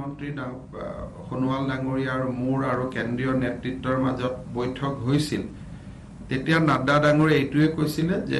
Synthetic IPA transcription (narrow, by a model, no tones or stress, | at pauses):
ɔntɹida | xonuwaldaŋoɹiaɹmuɹaɹukendɹijɔnetɹitːɔɹmazɔt̚bojtʰɔkɦojsil | tetijanadadaŋoɹiejtʊɛkojsilɛzɛ̰